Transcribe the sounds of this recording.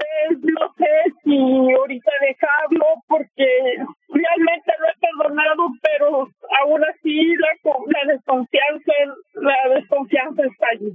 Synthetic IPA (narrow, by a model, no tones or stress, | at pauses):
pesnosesioɾit̪aðexaβlopoɾkerealmẽ̞nt̪enoepeɾðonaðopeɾoaunasilakolaðeskoɱfjansalaðeskoɱfjansaest̪aːʝi